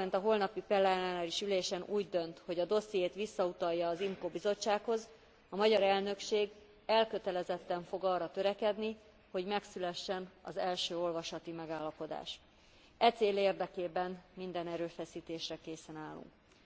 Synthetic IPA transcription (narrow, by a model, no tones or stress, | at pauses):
ɛnt̪ɒɦo̞lnɒpipɛlːɛnaːnaɾiʃyleːʃɛnuːɟd̪ø̞nt̪ho̞ɟɒd̪o̞sijeːt̪ʋisːɒut̪ɒjːɒːzimkoːbizo̞t͡ʃːaːkho̞z | ɒmɒɟɒɾɛlnø̞kʃeːɡ | ɛlkøt̪ɛlɛzɛt̪ːɛɱfo̞ɡɒːrːɒt̪øɾɛkɛd̪ni | ho̞ɟmɛksylɛʃːɛnɒ̰zɛlʃøːo̞lvɒʃɒt̪imɛɡaːlːɒpo̞d̪a̰ːʃ | ɛt̪seːleːrd̪ɛkeːbɛnmind̪ɛnɛɾøːfɛsiːt̪eːʃrɛkeːsɛnaːlːṵŋk